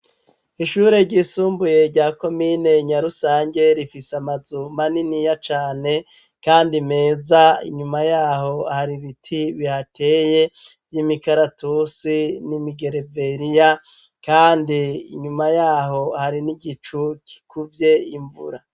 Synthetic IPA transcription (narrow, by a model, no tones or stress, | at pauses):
iʃuːɾe̞ɾɟisuːmbuje̞ɾɟaːko̞miːne̞ɲaɾusaːɲɟe̞ɾifisamazumaninijat͡ʃaːne̞ | kaːndime̞ːzaḭɲumajaːho̞haɾiβitʰiβihatʰe̞ːje̞ | vjimikaɾatusinimiɡe̞ɾe̞ve̞ɾija | kaːndiḭɲumajaːɦo̞haɾiniɡit͡ʃuki̥kʰuvje̞iɱvṵɾa